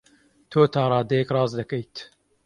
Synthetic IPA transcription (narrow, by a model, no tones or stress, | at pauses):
t̪ʰoːt̪ʰɑːɾˤɑːd̪ɛjɛkrɑːzd̪ɐkɛjt̪